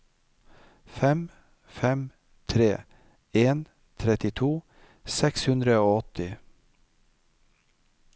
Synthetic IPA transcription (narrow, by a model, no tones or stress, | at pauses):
fɛm | fɛm | t̪ʰɾeː | eːn | t̪ʰɾɛt̪ɪt̪ʰuː | sɛkshʉnd̪ɾəoːɔt̪ɪ